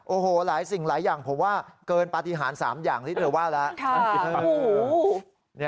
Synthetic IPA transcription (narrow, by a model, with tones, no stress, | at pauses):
ʔoː˨˧˩ɦoː˨˩laː˩˦jsi˨˩ŋlaː˩˦jːaː˨˩ŋpʰo˩˦mwaː˥˩kɤː˧npa˧t̪i˧ɦaː˩˦nsaː˩˦mjaː˨˩ŋt̪ʰi˥˩t̪ʰɤː˧waː˥˩lɛ˦˥ʔkʰa˥˩˧o˨˩˦ | ni˦˥